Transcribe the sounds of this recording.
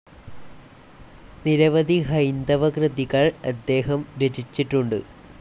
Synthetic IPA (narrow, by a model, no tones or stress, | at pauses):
niɾɐʋɐd̪iɦɐjnd̪ɐʋɐkrɨd̪iɣɐɭɐd̪ːe̞ːɦɐmɾed͡ʑit͡ɕːiʈːuɳɖɨ̰